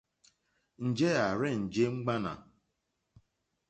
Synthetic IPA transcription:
n̩˨d͡ʒe˦a˨ɾɪ˦n̩˨d͡ʒe˦ŋ͡m̩˦ɡ͡ba˦na̰˨

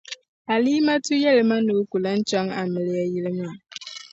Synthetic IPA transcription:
a˨liː˦ma˦tu˦jɛ˦lɪ˨ma˦nu˨˦ku˨la˦n̩˦t͡ʃɔ˦ŋa˨mɪ˨lɪ˦a˦ji˦lɪ˦ma˦a˨

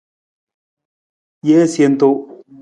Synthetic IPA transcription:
je˦sje˧˨nt̪o˦˨

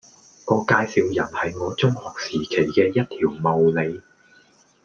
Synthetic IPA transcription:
ŋɔː˧kaː˧jsiː˨˧wjɐ˨˩nhɐ˨jŋɔː˨˧t͡sʊ˥ŋhɔː˨k̚siː˨˩kʰe˨˩jkɛː˧jɐ˥t̚t̪ʰiː˨˩wmo˨wle˨˧j

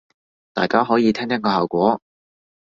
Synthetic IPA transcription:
t̪a̰ː˨˩jkaː˥ɦɔː˨˥jiː˨˧t̪ʰɛː˥ŋt̪ʰɐ˥kɔː˧haː˨˩wkʷɔː˨˥

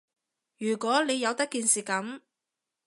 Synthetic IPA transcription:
jyː˨˩kʷɔː˨˥le˨˧jːɐ˨˧wt̪ɐ˥kːiː˨nsiː˨˩kɐ˨˥m

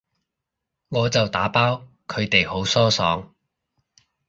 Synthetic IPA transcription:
ŋɔː˨˧t͡sɐ˨wt̪aː˨˥paː˥w | kʰɵ˨˧ɥt̪e˨jho˨˥wsɔː˥sɔː˨˥ŋ

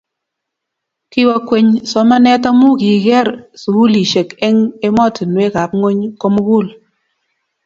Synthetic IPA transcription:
ki˦wa˦kwe˦ɲsɔ˨˦ma˦nɛ˦ta˦mu˦ki˨ɣɛ˦ɾsu˨u˦li˨ʃe˨kɛ˦ŋe˦mɔ˦˨tɪ˨nwe˦ka˨˦p̚ŋo˦ɲko˦m˦ɡu˦˨l

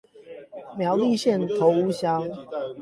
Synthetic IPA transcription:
mjɑ˨˦ʊli˥˨ɕjɛ˥˨nt̪ʰo˨˦ʊu˦ɕjɑ˦ŋ

